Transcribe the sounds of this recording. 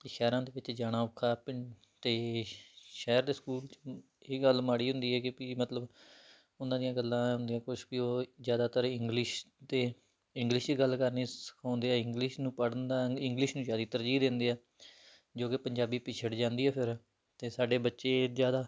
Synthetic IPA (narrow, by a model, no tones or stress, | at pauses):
eʃɛːɾãːd̪eːʋɪt͡ʃd͡ʒaːɽ̃ãːʊkʰːaːp | t̪eː | ʃɛːɾd̪eːskuːlt͡ʃ | eːɡəlmaːɽiːɦʊ̃nd̪iːɛːkepiːmət̪ləb | ʊnãːd̪ijãːɡəlːãːʊnd̪ijãːkʊt͡ʃbiːoːzjaːd̪aːt̪əɾɪŋɡlɪʃ | d̪eː | ɪ̃ŋɡlɪʃt͡ʃiːɡəlːkəɾneːsə̥kʰãːʊnd̪eːɛːɪŋɡlɪʃnũːpəɽnd̪aːɪ̃ŋɡlɪʃnũːd͡ʒjaːd̪iːt̪əɾd͡ʒiːd̪ẽːnd̪eːɛː | d͡ʒoːkɪpəɲd͡ʒaːbiːpɪt͡ʃʰəɽd͡ʒãːnd̪iːɛːpʰɪɾ | t̪eːsaːɖeːbətːʃeːzjaːd̪aː